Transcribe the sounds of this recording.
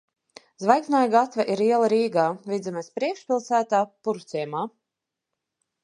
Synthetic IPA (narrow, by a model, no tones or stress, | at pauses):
zvajksnajaɡat̪vaʔiɾiɛlˠaɾiːɡaːvʲid̪zamaspɾiɛkʃpʲilˠsæːt̪aːpuɾt̪sʲiɛmaː